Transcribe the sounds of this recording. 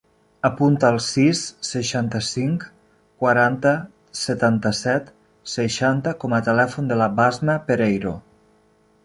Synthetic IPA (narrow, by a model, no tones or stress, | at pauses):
əpunt̪aːlˠsisːəʃant̪əsiŋk | kwaɾant̪ə | sət̪ant̪əsɛt̪ | səʃant̪əkɔmət̪əlɛfund̪əlabazməpeɾejɾo̰